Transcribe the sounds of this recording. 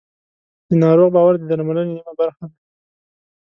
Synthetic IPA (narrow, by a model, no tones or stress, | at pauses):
d̪̥ənɑɾoɣbɑwaɾd̪əd̪aɾmaləneamabaɾxad̪a